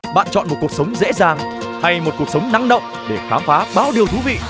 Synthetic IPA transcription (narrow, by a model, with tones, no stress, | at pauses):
ɓa̰ː˧˨nt͡ɕɔ̰˧˨nmo˨˩t̚ku˨˩əksə˨˦wŋ͡mzḛ˧˥zaː˨˩ŋ | ha˧jmo˨˩ku˨˩ək̚sə˨˦wŋ͡mna˨˦ŋɗə̰˧˨wŋ͡m | ɗe˧˩xaː˨˦mfaː˨˦ɓaː˨˦wɗi˨˩əwt̪ʰu˨˦vḭ˧˨